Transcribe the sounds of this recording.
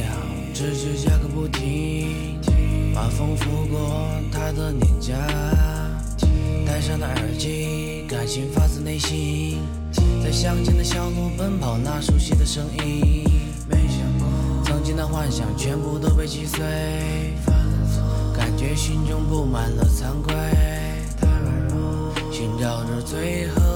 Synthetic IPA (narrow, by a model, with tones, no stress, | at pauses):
ʈ͡ʂɻ̩˥t͡ɕɛ˧˥t͡ɕja˥kə˧˥pu˥˩t̪ʰi˧˥ | pa˨˩fɤ˥ŋfu˧˥kwɔ˥˩ | t̪ʰa˥d̪ə˨njɛ˨˩nt͡ɕja˥ | t̪a˥ɪʂɑ˥˩d̪ə˩ə˞˨˩t͡ɕi˥ | ka˨˩nɕi˧˥ŋfa˥t͡sɹ̩˥˧ne˥˩ɪɕi˥ | t͡sa˥˩ɪɕjɑ˥ŋt͡ɕʰi˥nd̪ə˧ɕjɑ˥ʊt̪u˥˩fə˥npʰɑ˨˩ʊna˥˩ʂu˥ɕi˥˩d̪ə˨ʂɤ˥ŋi˥˧ | t͡sɑ˥ŋt͡ɕi˥nd̪ə˨˧xwa˥˩nɕjɑ˨˩ŋt͡ɕʰɥɛ˥npu˥˧t̪o˥ʊpe˥˧ɪt͡ɕi˥swe˥ɪ | ka˨˩nt͡ɕɥɛ˧˥ɕi˥nʈ͡ʂʊ˥ŋpu˥˩ma˨˩nlə˧t͡sʰa˥nkwe˥ɪɪɪ | ɕy˧˥nʈ͡ʂɑ˨˩ʊʈ͡ʂə˧t͡swe˥ɪxɤ˥